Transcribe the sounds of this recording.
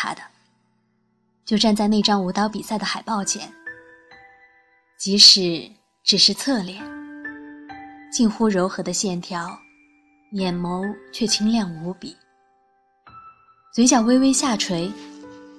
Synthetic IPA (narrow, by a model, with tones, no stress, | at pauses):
a˨˩ɪd̪ə˦ | t͡ɕjo˥˧ʊʈ͡ʂa˥˧nt͡sa˥˧ɪne˥˩ɪʈ͡ʂɑ˥ŋu˧˥t̪ɑ˧˥ʊpi˨˩sa˥˩ɪd̪ə˩xa˨˩ɪpɑ˥˩ʊt͡ɕʰjɛ̰˨˩˦n | t͡ɕi˧˥ʂɻ̩˨˩ | ʈ͡ʂɻ̩˨˩ʂɻ̩˥˧t͡sʰɤ˥˩ljɛ˥˩n | t͡ɕi˥˩nxu˥ɻo˧˥ʊxɤ˧˥d̪ə˧ɕjɛ˥˩nt̪ʰjɑ˧˥ʊ | jɛ˨˩nmo˧˥ʊt͡ɕʰɥɛ˥˩t͡ɕʰi˥ŋljɑ˥˩ŋu˧˥pi˨˩˦ | t͡swe˧˥ɪɕ̬jɑ˨˩ʊwe˥ɪwe˥ɪɕja˥˩ʈ͡ʂʰwe˧˥ɪ